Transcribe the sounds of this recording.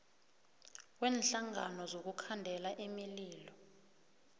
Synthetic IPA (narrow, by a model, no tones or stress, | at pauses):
kwɛːnɬaŋa̰nɔzok̬ukʰandʱɛlaʔimiliːlɔ